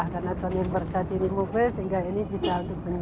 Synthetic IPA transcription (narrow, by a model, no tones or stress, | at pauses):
hkarnat̪ɔnɛnbərkat̪inimobɛsəɦiŋɡainibisaunt̪ʊkkbəɲ